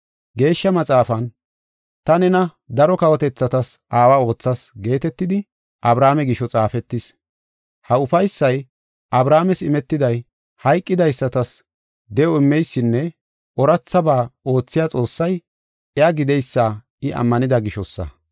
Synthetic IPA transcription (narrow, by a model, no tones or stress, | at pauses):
ɡe̞ːʃːɐmɐt͡sʼaːfɐn | t̪ɐnɛnɐ | d̪ɐɾɔkɐwɔt̪ɛt͡sːɐt̪ɐsʔaːwaːo̞ːt͡sːɐsɡe̞ːt̪ɛt̪ːɪd̪ɪ | ʔɐbɾaːmɛɡɪʃɔt͡sʼaːfɛt̪ːɪs | hɐʊfɐjsːɐj | ʔɐbɾaːmɛsɪmɛt̪ːɪd̪ɐj | hɐjkʼːɪd̪ɐjsːɐt̪ɐs | d̪ɛɔɪmːɛjsːɪnːɛ | ʔɔɾɐt͡sːɐbaːo̞ːt͡sːɪjat͡sʼo̞ːsːɐj | ɛaɡɪd̪ɛjsːaː | ɪʔɐ̰mːɐnɪd̪ɐɡɪʃɔsːɐ̰